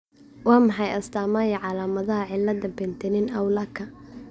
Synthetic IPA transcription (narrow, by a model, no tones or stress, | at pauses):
wɑːmɑħɑjɐst̪ʰaːmajɐʕɑlaːmɐðɐɦɐʕɪlːɐd̪ɐmbɛnt̪ʰɛnɪnɐwlɐkʰɐ